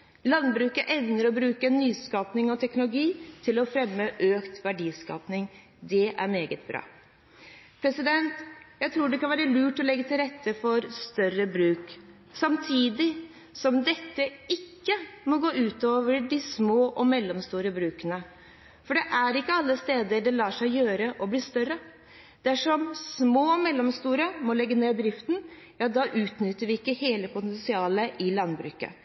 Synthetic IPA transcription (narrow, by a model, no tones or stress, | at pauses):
lɑnbɾʉːkəʔɛnnːəɾɔbɾʉːkənːyːskɑːpnɪŋɔt̪ʰɛknʊlʊɡiːt̪ʰɪlɔfɾɛmːəʔøːkt̪ʋæɖiːskɑ̰ːpnɪŋ | d̪ɛʔæ̰ɾmeːɡət̪̚bɾɑ̰ː | pʰɾɛsɪd̪ɛnt̪jæɪt̪ʰɾuːɖɛkʰɑnʋæːɾəlʉːʈɔlɛɡːət̪ʰɪlɾɛt̪ːəfɔɾst̪œɾəbɾʉːk | sɑmt̪ʰiːd̪ɪ | sɔmd̪ɛt̪ːəɪkːəmɔɡoːʔʉːt̪oːʋəɖɪsmoːʔɔmɛlːɔmst̪uːɾəbɾʉːkənə | fɔɖɛʔæɾɪkːəɑlːəst̪eːd̪əɖɛlɑːʂæɪjøːɾəʔɔbliːst̪œrːə | d̪̥æʂɔmsmoːɔmɛlːɔmst̪uːɾəmɔlɛɡːəneːd̪ɾɪft̪n̩ | jɑːd̪ɑːʔʉːt̪nʏt̪ːəɾʋɪɪkːəheːləpʊt̪ɛnsɪɑːləʔɪlɑnːbɾʉ̰ːkə̰